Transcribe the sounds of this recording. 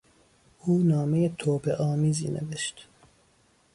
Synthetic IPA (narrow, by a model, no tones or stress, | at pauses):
ʔuːnɒːmejet̪ʰoːpʰeʔɒːmiːzḭːnḛveʃt̪